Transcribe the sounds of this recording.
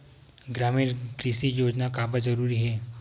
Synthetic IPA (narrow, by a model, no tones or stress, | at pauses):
ɡɾamiːɾkɾisiːjod͡ʑnakabəd͡zəɾuːɾiːɦe